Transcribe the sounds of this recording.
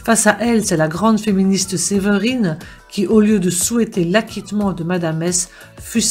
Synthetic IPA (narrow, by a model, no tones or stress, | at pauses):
fasaʔɛlsɛlaɡʁɑ̃d̪feminist̪sevəʁin | kʲʰiʔoljød̪əsuɛt̪elakʲit̪mɑ̃d̪əmad̪amɛs | fys